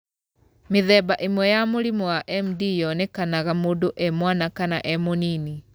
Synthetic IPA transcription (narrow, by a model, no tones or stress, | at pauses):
meðɛːbaʔemwɛjamoɾimɔwaʔɛmdijɔnɛkanaɣamoːdoʔɛmwanakanaʔɛmonini